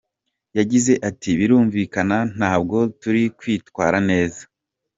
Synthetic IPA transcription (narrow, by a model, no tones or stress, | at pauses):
jaɟize̞ʔatiβiɾuːɱviːkanan̥aːbɡo̞tuɾikwiːtkwaːɾane̞ːzḁ